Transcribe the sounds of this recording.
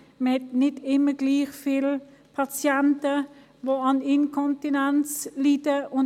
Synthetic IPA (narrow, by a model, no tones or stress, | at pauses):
mɛtnɪtɪməɡliːxfil | pʰat͡sjɛntə | ʋoɑninkʰɔntinɛnslitəʊn